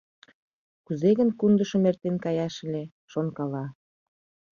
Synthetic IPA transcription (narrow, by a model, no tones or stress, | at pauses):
kuzeɣənkund̪əʃŏmert̪enkɑjɑʃə̆lʲe | ʃonkɑlɑ